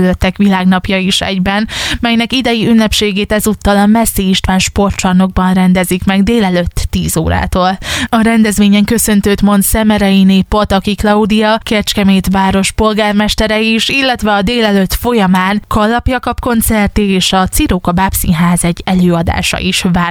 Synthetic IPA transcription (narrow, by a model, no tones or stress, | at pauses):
løt̪ːɛkʋilaːɡnɒpjɒiʃɛ̰ɟbɛnmɛjnɛkid̪ɛjiynːɛpʃeːɡeːt̪ɛzuːt̪ːɒlɒmɛsːiiʃt̪ʋaːnʃpo̞rt͡ʃɒno̞ɡ̚bɒnrɛnd̪ɛzikmɛɡd̪eːlɛløt̪ːiːzo̰ːɾa̰ːt̪oːlɒɾɛnd̪ɛzʋeːɲɛŋkø̞sø̞nt̪øːt̪mo̞nt̪sɛmɛɾɛineːpo̞t̪ɒkiklɒud̪ijɒkɛt͡ʃkɛmeːt̪ʋaːɾo̞ʃpo̞lɡaːrmɛʃt̪ɛɾɛiʃilːɛt̪ʋɛɒd̪eːlɛløt̪fo̞jɒmaːnkʰɒlːɒpjɒkɒpko̞nt̪sɛrt̪ieːʃɒt̪siɾoːkɒbapsḭnɦaːzɛɟːɛløːɒd̪a̰ːʃɒ̰ʔiʃvaː